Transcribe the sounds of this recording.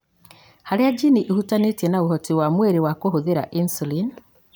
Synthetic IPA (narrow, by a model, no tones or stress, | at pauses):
haɾead͡ʒiniʔihutanetjenauɦɔtiwamweɾewakohoðeɾa̰ʔinsulin